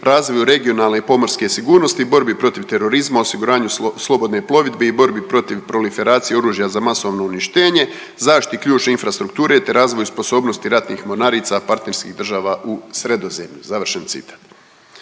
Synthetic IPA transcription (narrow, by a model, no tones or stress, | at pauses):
ɾaːzʋo̞juɾe̞ɡio̞naːlˠne̞ipo̞moɾske̞siɡuːɾno̞st̪iːbo̞ɾbipɾo̞t̪iʋt̪e̞ɾo̞ɾizmaosiɡuɾaːɲuslˠo̞bo̞d̪ne̞plˠo̞ʋid̪be̞ibo̞ɾbipɾo̞t̪iʋpɾo̞life̞ɾaːt̪sijeo̞ɾuːʒjazamaso̞ʋno̞uniʃt̪e̞ːɲe̞ | zaːʃi̥t̪ikʎuːt͡ʃneinfɾast̪ɾuk̚t̪uːɾe̞t̪e̞ɾaːzʋo̞juspo̞so̞ːbno̞st̪iɾat̪niːxmo̞naɾiːt̪sapaɾt̪ne̞ɾskiːɣd̪r̩ʒaːʋaʔusɾe̞d̪o̞ze̞mʎuzaʋr̩ʃent̪sḭt̪ʰḁːt̪